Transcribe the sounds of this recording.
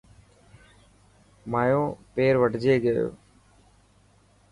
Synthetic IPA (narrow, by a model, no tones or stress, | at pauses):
maːjõːpeːɾʋəʈd͡ʒɪeɡɐjo̰ː